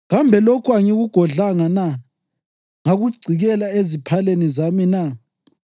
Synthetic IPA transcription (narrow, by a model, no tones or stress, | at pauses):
ɣambʱɛlokʰwaŋiɣuɡ̥ʱɔɮaŋana | ŋaɣuɡ͡ǀʱiɣɛlaezipʰalenizamina